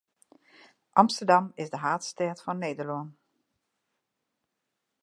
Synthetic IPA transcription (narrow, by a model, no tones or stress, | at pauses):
ʔɑmstəɹdɑmɪzdəɦaːtstɛtfɔnːeːdəɹloən